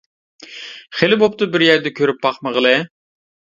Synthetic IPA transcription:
χelɪbop̚t̪ʊbɪɾjæɾd̪ɛkʲʰøɾyp̚bɑχməʁəlˠɨ

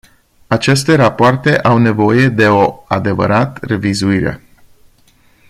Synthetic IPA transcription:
at͡ʃe̞st̪e̞ɾapoart̪e̞ʔawne̞vo̞je̞d̪e̞o̞ad̪e̞və̰ɾat̪re̞vizuiɾḛ

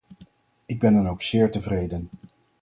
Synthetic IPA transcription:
ɪɡ̚bɛnɑnowksɪːɹtəvrejdən

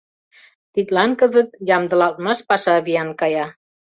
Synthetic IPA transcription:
t̪it̪lɑnkəzət̪̚jɑmd̪ə̆lɑlt̪̚mɑʃpɑʃɑβijɑnkɑjɑ

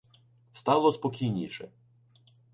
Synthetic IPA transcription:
st̪ɑlˠɔspɔkʲijnʲiʃɛ̰

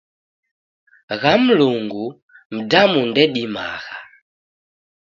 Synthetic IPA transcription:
ɣam̩luŋɡu | m̩damundɛɗima̰ɣa

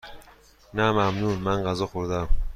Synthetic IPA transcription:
næmæmnunmænɢæzɒxoɾd̪æm

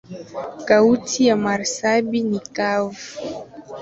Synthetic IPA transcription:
kautʰijamaɾsabinikavuu

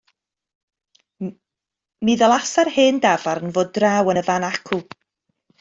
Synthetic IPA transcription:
miðɔlˠasarheːndavaɾənvoːdrawənəvanakʰu

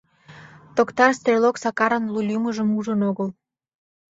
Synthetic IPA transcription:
t̪okt̪ɑrst̪rʲeloksɑkɑɾənlulʲjuməʒəmuʒənoɣəl

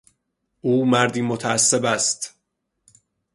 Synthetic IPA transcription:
ʔuːmæɾd̪iːmot̪ʰæːsːebæst̪

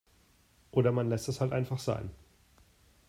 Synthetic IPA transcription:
ʔoːɾɐmanlɛstɛshaltʔaɪnfaχz̥a̰ɪn

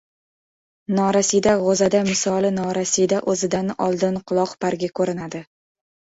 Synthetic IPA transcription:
nɒɾasid̪aʁozad̪amɪsɒlˠɪnɒɾasid̪aʔɵzɪd̪anɒ̰lˠd̪ɪnqʰʊlˠɒqpaɾɡʲakʰɵɾɪnad̪ɪ

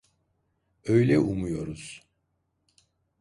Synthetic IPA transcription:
ø̞jlʲɛʔumujo̞ɾuz̥

